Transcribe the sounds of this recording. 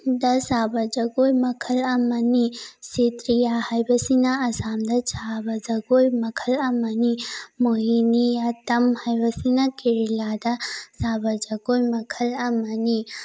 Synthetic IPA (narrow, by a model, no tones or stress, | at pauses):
d̪ɐsaːbɐd͡ʒɐɡoːjmɐkʰɐlɐmɐniset̪ɾijahɐjbɐsinaɐsaːmd̪ɐt͡ʃʰaːbɐd͡ʒɐɡoːjmɐkʰɐlɐmɐnimoɦinijat̪ɐmhɐjʋɐsinakiɾilaːd̪ɐsaːbɐd͡ʒɐɡoːjmɐkʰɐlɐmɐni